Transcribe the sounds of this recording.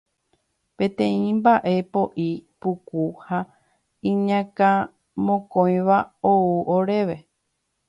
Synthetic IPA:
pẽ̞t̪ẽĩmbaʔe̞po̞ʔipukuha | ĩɲãkã | mõkõj̃ʋaouʔoɾe̞ʋe̞

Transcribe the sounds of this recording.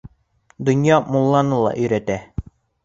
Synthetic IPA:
d̪ŏnjɑmolˠːɑnɤlˠɑ̰ʔɵ̆jɾæt̪æ

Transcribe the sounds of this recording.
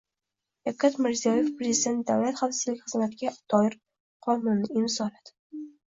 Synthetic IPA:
afkʰʲat̪mɪɾzijɒje̞fpɾezid̪ʲe̞nt̪̚d̪awlat̪χafsɪ̥zlɪkʲχɨzmat̪ɪɡʲad̪̥ɒjɪɾ | qʰɒnʊnːɪɪmzɒlad̪̥ɪ

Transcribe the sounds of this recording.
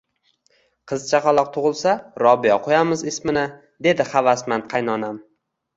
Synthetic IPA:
qʰɨzt͡ʃʰaqɑlˠɒq̚t̪ʰʊʁɨlˠsaɾɒbijɒqʰojamɪzɪsmɪnɪ | d̪e̞d̪ɪχavasmanqʰɑjnɒnam

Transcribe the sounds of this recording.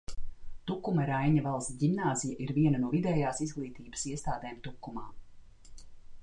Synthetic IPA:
t̪ukːumɐɾajɲɐvalˠst̪ɟʲimnaːzijaʔiɾviɛnɐnuɔvid̪ɛːjaːsizɡlˠiːt̪iːbə̥siɛst̪aːd̪ɛːmt̪ukːumaː

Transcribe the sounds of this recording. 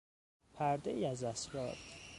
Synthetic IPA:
pʰæɾd̪ejiæzæsɾɒːɾ

